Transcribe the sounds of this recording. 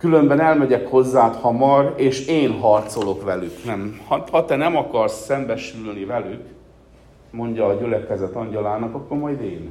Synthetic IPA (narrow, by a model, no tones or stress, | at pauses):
kylø̞mbɛnɛlmɛɟɛkho̞zːaːt̪hɒmɒreːʃeːnɦɒrt̪so̞lo̞kʋɛlyknɛmhɒhɒt̪ɛnɛmɒkɒrsɛmbɛʃylnivɛlyk | mo̞ɲɟɒːɟylɛkɛzɛt̪ɒɲɟɒlaːnɒkɒkːo̞rmɒjd̪eːn